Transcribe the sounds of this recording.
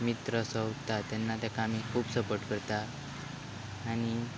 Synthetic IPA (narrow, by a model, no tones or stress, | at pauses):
mit̪ɾəsəwt̪at̪anːat̪jakamikʰuːpsəpəʈkəɾt̪a | ɽ̃i